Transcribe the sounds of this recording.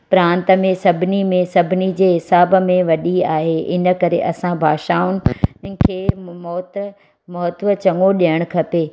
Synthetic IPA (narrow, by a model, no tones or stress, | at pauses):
pɾãːnt̪ə̆mẽsɐbʱɪnimẽsɐbʱɪnid͡ʑeːɦɪsaːbmẽʋɐɗiaːɦeʔɪnə̆kɐɾeʔɐsãbʱaːʃaːʊnɪ̆kʰeːmɔːt̪ | mɐɦət̪ʋət͡ɕɐŋɡoɗijəɽ̃kʰɐpeː